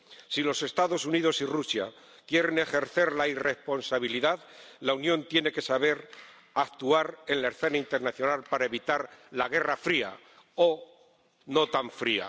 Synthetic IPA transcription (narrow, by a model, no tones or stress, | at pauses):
silo̞se̞st̪aðo̞sunið̞o̞sirusja̰ | kje̞ɾe̞ne̞xe̞ɾθe̞ɾlaire̞hpo̞nsaβ̞iliðaðlaunjo̞nt̪je̞ne̞ke̞saβe̞ɾ | ak̚t̪uaɾe̞nlaeɾθe̞naint̪e̞ɾnaθjo̞nalpaɾae̞βit̪aɾlaɣ̞e̞rafɾia̰ | o | no̞t̪aɱfɾia̰